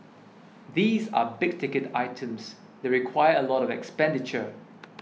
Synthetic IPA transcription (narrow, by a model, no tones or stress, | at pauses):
ðiːza̰bɪɡ̚tɪkəta̰ɪtʰə̃ms | deɹikʰwajəəlɔɾɔvɛ̰kspɛ̃ndɪt͡ʃə